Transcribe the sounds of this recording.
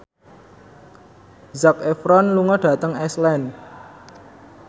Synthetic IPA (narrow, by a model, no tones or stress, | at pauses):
zakefɾɔnluŋɔɖ̥ä̤t̪əŋɛslɛn